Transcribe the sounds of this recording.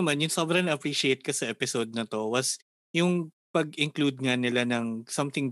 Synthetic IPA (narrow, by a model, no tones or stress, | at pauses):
manjʊŋsobɾɐŋnɐʔɐpɹiːʃejt̪̚kɐsɐʔɛpɪsod̪̚nɐt̪o̞wɐs | jʊŋ | pɐɡɪŋklud̪̚ŋɐnɪlanɐŋsɐmt̪ɪŋ